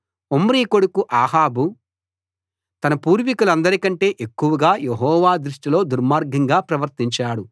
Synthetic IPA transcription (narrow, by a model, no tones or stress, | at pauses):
omɾiːko̞ɽukuʔaːɦaːbu | t̪ɐnɐpuːɾʋikulɐnd̪ɐɾikɐɳʈe̞ːʔekːuʋɐɡaːjeɦɔːʋaːd̪ɾuʂʈilo̞ːd̪uɾmaːɾɡʱɐŋɡaːpɾɐʋɐɾt̪iɲt͡ʃaːɽu